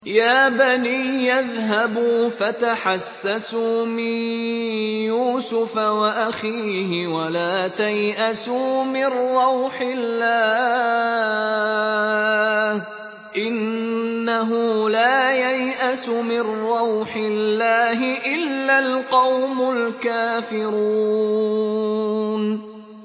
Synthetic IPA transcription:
jaːbaniːjaðɦabuːfat̪aħasːasuːmɪn | juːsʊfawaʔaxiːɦɪwalaːt̪ajʔasuːmɪnːɑwħɪlːaː | h | ʔɪnː | aɦʊlaːjajʔasʊmɪnːɑwħɪlːaːɦɪʔɪlːalqɑwmʊlkaːfɪɾuː | n

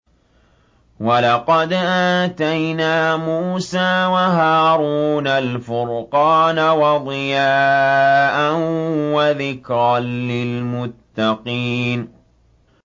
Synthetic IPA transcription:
walɑqɑd̪ʔaːt̪ajnaːmuːsaːwaɦaːɾuːnalfʊɾqɑːnawɑd̪ˤɨjaːʔanwaðɪkɾɑnlɪlmʊt̪ːɑqiːn

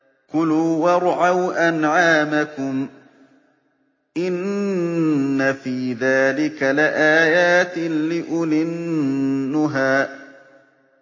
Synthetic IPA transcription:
qʊluːwɑɾˤʕawʔanʕaːmakʊm | ʔɪnː | afiːðaːlɪkalɪʔaːjaːt̪ɪlɪʔʊlɪnː | ʊɦaː

